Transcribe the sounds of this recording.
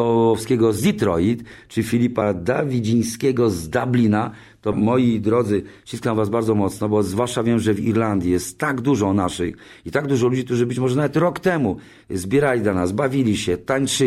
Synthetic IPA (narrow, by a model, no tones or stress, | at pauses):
ɔɔfskʲɛɡɔzlʲit̪ɾɔjit̪t͡ʂɨifʲilʲipad̪avʲid͡ʑij̃skʲɛɡɔzd̪ablʲina | t̪ɔmɔjid̪ɾɔd̪zɘt͡ɕiskam̃vazbaɾdzɔmɔt̪snɔbɔzvwaʂt͡ʂavʲjɛmʐɛvḭɾland̪ʲijɛst̪ːaɡd̪uʐɔnaʂɘ̰x | it̪aɡd̪uʐɔlud͡ʑikt̪uʐɘbɘt͡ɕmɔʐɛnavɛt̪ɾɔkt̪ɛmu | zbʲjɛɾalʲid̪lanasbavʲilʲiɕɛt̪aɲt͡ʂɘ